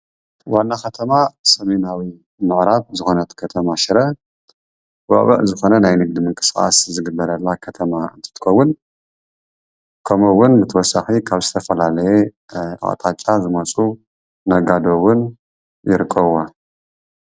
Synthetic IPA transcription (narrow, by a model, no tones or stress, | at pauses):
wanːaxɐt̪ʰɐmasɐmenawi | mɨʕɾaβzɨxo̞nɐt̪kʰɐt̪ʰɐmaʃɪɾɐ | wɐ̰βɨ̰ʕzɨxo̞nɐnajnɨɡ̚d̪imɨŋkʼɨ̥sxʼa̰szɨɡɨbːɐɾɐlːakʰɐt̪ʰɐmaɨ̰nt̪ʰɨ̥t̪ʰɨ̥kʰɐwːʊn | kʰɐmowːʊnbɨt̪ʰɨwɔsaxikʰaβzɨt̪ʰɐfɐlalɐjɛ | ʔa̰ʔt̪ʼat͡ʃʼazɨmɐt͡sʼuː | ɐɡad̪owʊn | jɪɾɨkʼːɐβwa